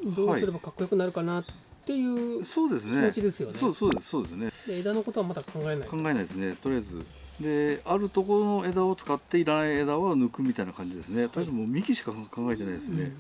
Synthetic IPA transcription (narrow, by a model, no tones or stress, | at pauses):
d̪o̞ːasiɨɾe̞bakakːojokɯ̟naɾɯ̟kanat̪ːe̞jɯ̟ːso̞ːd̪e̞sɨnʲeimot͡ɕid̪e̞sɨjonsoːsoːd̪essoːd̪e̞sɨned̪aed̪ano̞ko̞t̪o̞βamad̪akʰãŋɡae̞naikãŋɡae̞najd̪esɨne̞t̪o̞ɾijazɨ̰ | d̪e̞aɾɯ̟t̪o̞ko̞ɾo̞no̞e̞d̪ao̞t͡sɨ̥kat̪ːeiɾanaie̞d̪aβanɯ̟kɯ̟mʲit̪ainakãɲ̟d͡ʑid̪e̞sɨne̞t̪oɾjazɨmoːmʲikʲiɕi̥kakãŋɡae̞t̪e̞naid̪e̞sɨne̞̰